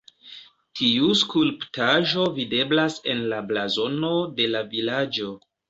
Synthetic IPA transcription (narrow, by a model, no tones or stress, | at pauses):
tʰiuskulptaʒo̞vide̞blase̞nlablazo̞no̞de̞lavilad͡ʒo̞